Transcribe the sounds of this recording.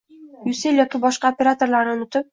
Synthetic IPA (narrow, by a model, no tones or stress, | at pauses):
jʉsɪlʲjɒkʲibɒʃqɑopʲeɾat̪orlˠɑɾɤonʊ̆t̪ʊp̚